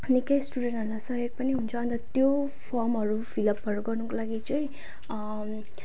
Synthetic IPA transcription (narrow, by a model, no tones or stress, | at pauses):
nikʌjsʈuɽenʈʌɾulasʌɦjoɡ̚pʌniɦunt͡sʰʌːnt̪ʌt̪jo | pʰʌrmɦʌɾubʰʱilʌpʌɾuɡʌrnukolaɡit͡sʌj